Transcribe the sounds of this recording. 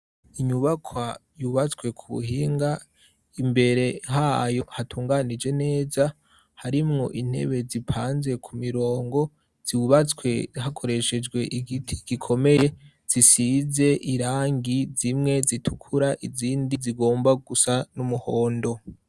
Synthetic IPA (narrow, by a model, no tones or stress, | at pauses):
iɲuβakʰwajuβat͡skwe̞kʰuβṵhiːŋɡa | imbe̞ɾe̞ɦajo̞hatʰuːŋɡanid͡ʒe̞ne̞ːza | haɾimŋo̞ʔin̥he̞̰βe̞zipʰaːnze̞kʰumiɾo̞ːŋɡo̞ | z̥iuβat͡swe̞ɦakʰo̞ɾe̞ʃe̞d͡ʒɡwe̞ʔiɡitʰi̥ɡ̥ikʰo̞me̞je̞ | z̥isize̞ʔiɾaːŋɡizimŋe̞zitʰukʰuɾaʔiziːndiziɡo̞ːmbaɡusanumuhoːndo̞